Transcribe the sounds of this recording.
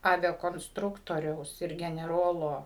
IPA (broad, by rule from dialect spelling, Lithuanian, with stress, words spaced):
ˌɑːʋʲɛkoːnsˈtrʊktoːrʲɛʊs ɪr ɡʲɛnʲɛˈroːlˠoː